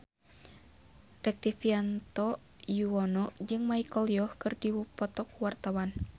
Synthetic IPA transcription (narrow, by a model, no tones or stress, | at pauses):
rɛk̚t̪ifiant̪ɔ | juwɔnɔʔd͡ʒɨŋmaikɔliɔhkɨrdiwupɔt̪ɔkuwart̪awan